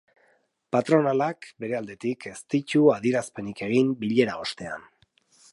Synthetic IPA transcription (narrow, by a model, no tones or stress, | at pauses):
pat̪ɾo̞nalakbe̞ɾe̞ald̪e̞t̪ikʰe̞st̪it͡ʃuaðieɾaspe̞nike̞ɣ̞imbiʎe̞ɾao̞st̪e̞a̰n